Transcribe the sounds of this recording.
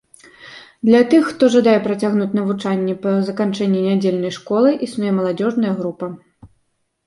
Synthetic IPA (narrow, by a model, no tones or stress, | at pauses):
d̪lʲɐt̪ɨxːt̪ɔʐɐd̪ajɛpɾɐt͡sʲaɣnut͡sʲnɐvut͡ʂanʲːɛpɐzɐkant͡ʂɛnʲːinʲad͡zʲelʲnɐjʂkɔlˠɨʔisnujɛmɐlˠad͡zʲɔʐnɐjɐɣɾupɐ